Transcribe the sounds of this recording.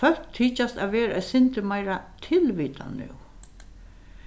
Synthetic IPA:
fœl̥kt̪ʰiːt͡ʃast̪aʋɛːɾaɛsɪnt̪ɪmajɾat̪ʰɪlʋiːt̪ʰa̰nʉ̰w

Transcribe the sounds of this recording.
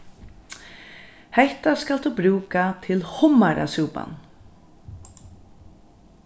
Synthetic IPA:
hɛht̪askald̪uːbɾuːkat̪ʰɪlhʊmaɾa̰suːpa̰n

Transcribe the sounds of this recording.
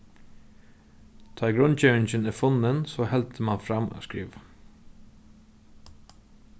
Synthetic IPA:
t̪ʰɑːɡɾʉnc͡çœɪnçənɛfɔnənsoːhɛlt̪ʰəmɑnfɾɑmo̰skɾḭːʋ

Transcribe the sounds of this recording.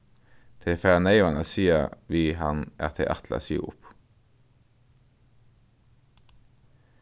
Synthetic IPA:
t̪ʰɪfæneɪʋɑnəsiːə̰ʋiːhɑnʔæ̰ːt̪ʰḛʔæt̪ʰlə̰sy̰ːʔʊ̰p

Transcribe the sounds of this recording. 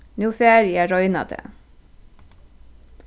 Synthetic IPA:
nuːfeːɾjæːɾɔʏnɑ̰d̪ʰə̰

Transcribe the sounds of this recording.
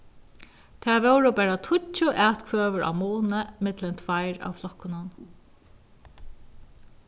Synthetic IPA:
t̪ʰæɹvɛwɹʊpæːɹat̪ʰʊt͡ʃːʊʔæːt̪kʰvøːʋəɹʔa̰wmuːnəmɪt̪lɛnt̪ʰvajɹa̰wflɔhkːʊnʊn

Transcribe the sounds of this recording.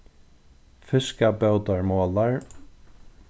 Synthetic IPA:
fɪskabœwt̪aɹmoːlaɹ

